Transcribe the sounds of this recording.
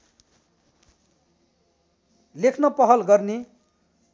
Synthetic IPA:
lekʰnʌpʌɦʌlɡʌrne

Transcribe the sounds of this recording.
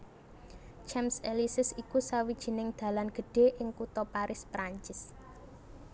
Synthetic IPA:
t͡ʃɛmselisɪsikusawid̥ʒ̥i̤nɪŋd̪̥ä̤lanɡ̥ə̤ɖ̥e̤ʔɪŋkut̪ɔpaɾʔɪspɾaɲt͡ʃɪs

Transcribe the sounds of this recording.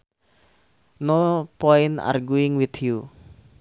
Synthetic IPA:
nopɔɪna̰rɡuɪŋwit̪ju

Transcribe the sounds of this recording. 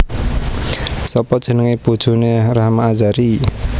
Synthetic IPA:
sɔpɔ̥ʒ̥ə̤nəŋepud̥ʒ̥ṳneraɦmaːd͡ʒaɾi

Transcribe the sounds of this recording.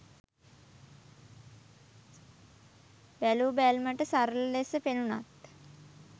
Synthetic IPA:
bælubælməʈəsaɾəllesəpenuna̰t̪

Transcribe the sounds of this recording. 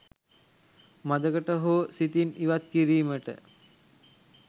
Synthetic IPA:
mad̪əkəʈəɦoːsit̪iniʋat̪kiɾiːməʈə̰

